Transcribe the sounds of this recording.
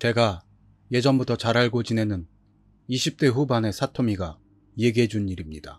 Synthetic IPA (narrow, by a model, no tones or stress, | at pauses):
t͡ɕe̞ɡa | je̞d͡ʑʌmbutʰʌt͡ɕaɾaɭɡod͡ʑine̞nɯn | iɕʰip̚t͈e̞ɸubane̞sʰatʰomiɡa | jeɡiɦed͡ʑuniɾimɲid̥a̰